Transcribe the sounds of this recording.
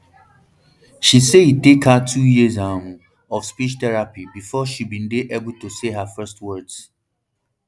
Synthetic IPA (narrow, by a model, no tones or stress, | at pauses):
ʃiseitekhatʰujizãhũ | ɔfspit͡ʃtɛɹapibifɔʃibĩn̩deʔebʊltuseɦafɜst̚wɜdz̥